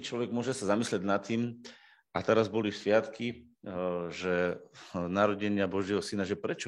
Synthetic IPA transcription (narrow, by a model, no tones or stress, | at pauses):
t͡ʃlɔʋɛɡ̚mʊɔʒɛsazamislɛɟnat̪ːiːm | ʔat̪ɛɾazbɔlisʋɪat̪ki | ʒɛ | naɾɔɟɛɲɪabɔʒɪɛɦɔsinaʒɛpɾɛt͡ʃɔ